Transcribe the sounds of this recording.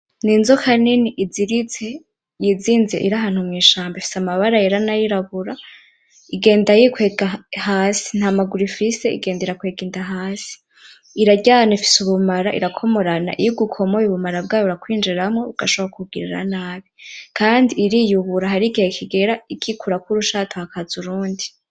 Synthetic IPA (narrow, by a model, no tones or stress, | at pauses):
ninzohaniniʔiziɾize̞ | jiziːnzḛʔḭɾaɦaːn̥humŋiːʃaːmbefi̥samaβaɾajeɾanajiɾaβuɾa | iɡe̞ːndajikweːɡaɦaːsi̥n̥hamaɡuɾifise̞ḭɡe̞ːndeɾakweɡiːndaɦaːsi̥ | iɾaɟaːnaifi̥suβumaɾaʔḭɾakʰo̞mo̞ɾana̰ʔḭjuɡukʰo̞mojiβumaɾabɡaːjoβuɾakwiːnd͡ʒiɾamŋoβuɡaʃoβaakʰuɡiɾiɾa̰naːβikʰaːndiːɾiːjuβuɾaɦaɾiɡihekʰiɡe̞ɾaikʰikuɾakuɾuʃaːtʰohakʰazuɾuːndi